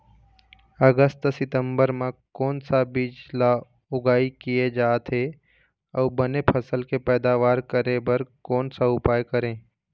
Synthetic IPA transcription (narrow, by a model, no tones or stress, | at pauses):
əɡəst̪sɪt̪ə̃mbəɾmẽkɔːnsabid͡ʒla | ʊɡaːikijed͡ʒaːt̪ʰɦe | ɔːbənepʰəsəlkepɛːd̪aːʋaːɾkəɾebəɾkɔːnsaʊpaːjkəɾẽː